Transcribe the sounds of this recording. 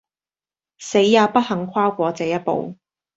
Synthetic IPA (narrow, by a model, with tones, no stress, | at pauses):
se˨˥jːaː˨˧pɐ˥t̚hɐ˨˧˥ŋkʰʷaː˥wkʷɔː˨˧t͡sɛː˨˥jɐ˥t̚po̰˨w